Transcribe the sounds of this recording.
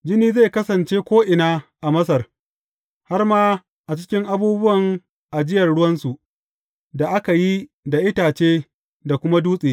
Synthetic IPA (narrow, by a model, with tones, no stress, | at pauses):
d͡ʒɪ˦niː˦ze˦˨kɐ˦sɐ˨nt͡ʃeː˦kʷoː˦ʔɪ˨naː˦ʔa˨mɐ˦s̬ɐ˨r | ha˦rmaː˦ | ʔa˨t͡ʃɪ̥˦kʲɪ˦ŋʔa˦buː˦bʊ˦wɐ˨ŋ | ʔa˨d͡ʒɪ˦jɐ˨rɽʊ˦wɐ˦nsu˨ | da˨ʔa˦ka˨ji˦da˨ʔɪ˦taː˨t͡ʃeː˦ | da˨kʷʊ˦ma˦duː˦sʼeː˨